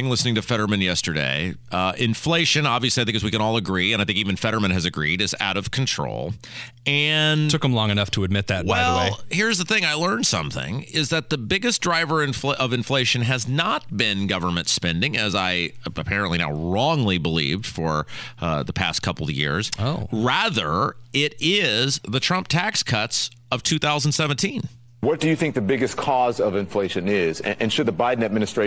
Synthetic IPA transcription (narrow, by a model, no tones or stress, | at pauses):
ɪ̃ŋlɪsnɪ̃ŋtɨfɛɾə˞mɨ̃njɛstə˞dḛɪ | ʔɪ̃nfleɪʃɨ̃nɑbviɨsliaɪθɪ̃ŋkʰʌzwikɨ̃ñɔlˠəɡɹiɨ̃naɪθɪ̃ŋkivɨ̃nfɛɾə˞mɨ̃nʔɨzɨɡɹiɾɨza̰ʊɾʌv̥kʰn̩tʰɹ̥o̰ʊlˠ | ɨ̃ntʰʊkə̃m̩lɔ̃ŋɨnʌftʰəɨd̚mɪt̪̚ðɨt̚wɛlˠeɪhɪɹzðəθɪ̃ŋaɪlɜ̃˞nsʌ̰̃mθɪ̰̃ŋɪzðɨt̪̚ðəbɪɡɨsd̥ɹaɪvə˞ɨ̃ɱfʔʌvɨ̃ɱfleɪʃɨ̃nɨznət̚b̥ɪ̃nɡʌvə˞mɨ̃ntspɛ̃ndɪ̃ŋɨzaɪəpʰɛɹɨ̃nʔlina̰ʊɹɔ̃ŋlibəlḭvd̥fə̰˞ðəpʰæ̰skʰʌpl̩ˠjɪ̰ɹz̥oɹæðə̰˞ɪɾɪzðɨtʰɹ̥ʌ̃mp̚tʰækskʰʌts | ʌv̥tʰʉθaʊzn̩d̥sɛṽn̩tʰĩn | wʌt̚d̥ɨjɨθɪ̃ŋk̚ðɨbɪɡɨskʰɔzʌvɨ̃ɱfleɪʃɨ̃nɪzɨ̃ʔɨ̃nʃɨd̪̚ðəbaɪdⁿn̩ɨd̚mɪ̃nɨstɹ̥eɪ